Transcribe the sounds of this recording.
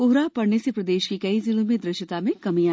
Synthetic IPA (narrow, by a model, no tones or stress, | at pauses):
ʊɦɾapɐɽnesepɾɐd̪eːʃkikɐizɪlõmẽd̪ɾɪʃət̪amẽkɐmiaː